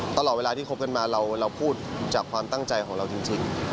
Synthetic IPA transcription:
t̪a˧lɔː˨˩t̪we˧lːiː˥˩o˦˥p̚ka˧nmaː˧ɾa˧wɾa˧wpʰuː˥˩t̪̚t͡ɕaː˨˩kʰwaː˧mt̪a˥˩ŋt͡ɕa˧jkʰɔː˩˦ŋɾa˧wt͡ɕi˧ŋt͡ɕi˧ŋ

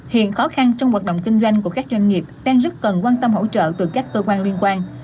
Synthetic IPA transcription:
hḭ˧˨ənxɔ˨˦xa˧nt͡ɕɔ˧wŋ͡mhwaː˨˩t̚ɗə̰˧˨wŋ͡mkï˧ŋ̟zwa˧jŋku˧˩əkaː˦˥k̚zwa˧jŋŋi˨˩əp̚ɗaː˧ŋzə˦˥t̚kə˨˩nkwaː˧nt̪ə˧mɦo̰˧˥t͡ɕə̰ː˧˨t̪ɨ˨˩kaː˦˥k̚kːəː˧kwaː˧nli˧ənkwaː˧n

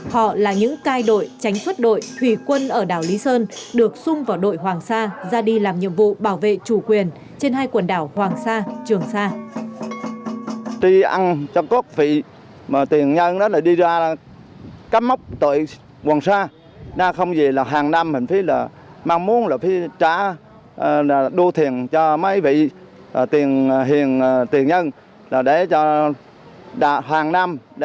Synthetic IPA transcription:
hɔ̰˧˨laː˨˩ɲɨ̰˧˥ŋkaː˧jɗo̰˧˨jt͡ɕa˨˦ŋ̟swə˦˥t̚ɗo̰˧˨jh̪ʰwi˧˩kwə˧nʔəː˧˩ɗaː˧˩wli˨˦səː˧nɗɨ˨˩ək̚sʊ˧ŋ͡mvaː˨˩wɗo̰˧˨jɦwaː˨˩ŋsaː˧zaː˧ɗi˧laː˨˩mɲɨ̰˧˨əmvṵ˧˨ɓaː˧˩wvḛ˧˨t͡ɕu˧˩kwi˨˩ən | t͡ɕe˧nhaː˧jkwə˨˩nɗaː˧˩whwaː˨˩ŋsaː˧t͡ɕɨ˨˩əŋsaː˧ | t̪i˧ʔa˧nt͡ɕɔ˧kɔ˦˥k̚vḭ˧˨ | maː˨˩t̪i˨˩ənɲə˧ŋɗɔ˨˦laː˨˩ɗi˧zaː˧ | ka˦˥p̚ma˦˥wk͡p̚t̪ə̰˧˨j | kwaː˨˩ŋsaː˧˩ | zaː˧˩xə˧wŋ͡mzi˨˩laː˨˩ɦaː˨˩ŋna˧mhï˨˩ŋ̟fi˨˦laː˨˩ | maː˧ŋmu˨˦ənlaː˨˩fi˨˦t͡ɕaː˧˩ | laː˨˩ɗu˧ət̪ʰi˨˩ənt͡ɕɔ˧ma˨˦jvḭ˧˨ | a˨˩t̪i˨˩ənɦi˨˩ən˩t̪i˨˩ənɲə˧n | laː˨˩ɗe˧˩t͡ɕɔ˧ | ɗa̰ː˧˨ɦaː˨˩ŋna˧mɗ

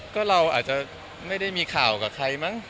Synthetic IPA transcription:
kɔː˥˩ɾa˧wʔaː˨˩t̪̚t͡ɕa˨˩ | ma˥˩jda˥˩jmiː˧kʰaː˨˩wkaː˨˩kʰa˧jma˦˥˩ŋ

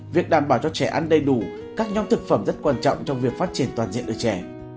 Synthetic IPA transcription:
vi˨˩ək̚ɗaː˧˩mɓaː˧˩wt͡ɕɔ˧t͡ɕɛ˧˩ʔa˧nɗə˧jɗu˧˩ | kaː˦˥k̚ɲa˧wŋ͡mt̪ʰɨ˨˩k̚fə˧˩mzə˦˥t̚kwaː˧nt͡ɕɔ̰˧˨wŋ͡mt͡ɕɔ˧wŋ͡mvi˨˩ək̚faː˦˥t̚t͡ɕi˧˩ənt̪waː˨˩nzḭ˧˨ənʔəː˧˩t͡ɕɛ˧˩˦

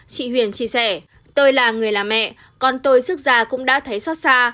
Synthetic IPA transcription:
t͡ɕḭ˧˨hwi˧˩ənt͡ɕi˧əsɛ˧˩ | t̪o˧jlaː˨˩ŋɨ˨˩əjlaː˨˩mɛ̰˧˨ | kɔ˨˩nt̪o˧jsɨ˦˥k̚zaː˨˩kʊ̰˧˥ŋ͡mɗa̰ː˧˥t̪ʰə˨˦jsɔ˦˥t̚saː˧

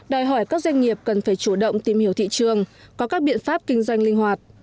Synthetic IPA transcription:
ɗɔ˨˩jɦɔ˧˩jkaː˦˥k̚zwa˧jŋ̟ːi˨˩əp̚kə˨˩nfaː˧˩jt͡ɕu˧˩ɗə̰˧˨wŋ͡mt̪i˧mhi˧˩əwt̪ḭ˧˨t͡ɕɨ˨˩əŋkɔ˨˦kaː˦˥k̚ɓḭ˧˨ənfaː˦˥p̚kï˧ŋ̟zwa˧jŋ̟lï˧ŋ̟hwaː˨˩t̚

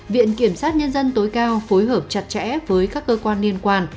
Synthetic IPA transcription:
vḭ˧˨ənki˧˩əmsaː˦˥t̚ɲə˧nzə˧nt̪o˨˦jkaː˧wfo˨˦jɦəː˧˩p̚t͡ɕa˨˩t̚t͡ɕɛ̰˧˥vəː˨˦jkaː˦˥kːəː˧kwaː˧nli˧ənkwaː˧n

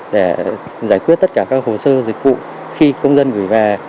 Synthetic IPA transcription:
ɗe˧˩zaː˧˩jkwi˦˥t̪̚ːə˦˥t̚kaː˧˩kaː˦˥k̚ho˨˩səː˧zï˨˩k̟̚vṵ˧˨ | xi˧kə˧wŋ͡mzə˧nɣɨ˧˩jvaː˨˩

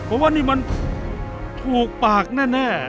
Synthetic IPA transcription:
pʰɔ˧˦waː˥˧niː˥˩ma˧n | t̪ʰuː˨˩k̚paː˨˩k̚nɛː˥˩nɛː˥˩

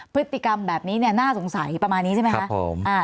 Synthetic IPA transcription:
pʰɯ˦˥t̪ʰːi˨˩ka˧mbɛː˨˩p̚niː˦˥ni˥˩ɐnaː˥˩so˩˦ŋsa˩˦jpɾa˧maː˧nːiː˦˥t͡ɕa˥˩ma˦ka˦˥o̰˨˩˦mʔaː˧˩

